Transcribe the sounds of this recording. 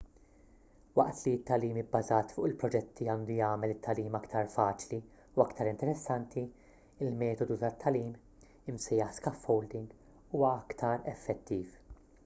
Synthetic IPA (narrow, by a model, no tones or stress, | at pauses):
wɐʔt̪liɪt̪ːɐliːmɪbːɐzɐːt̪fʊʔɪlpɾɔd͡ʒɛt̪ʰːiɐːnd̪ujɐːmɛlɪt̪ʰːɐliːmɐkt̪ʰɐɾfɐːt͡ʃli | uɐkt̪ɐɾɪnt̪ɛɾɛsːɐnt̪ʰi | ɪlmɛːt̪ɔd̪ut̪ɐt̪ʰːɐliːm | ɪmsɛjɐħskɐfhɔwld̪ɪŋɡ | uːwɐɐkt̪ʰɐɾɛfːɛt̪ʰːiːf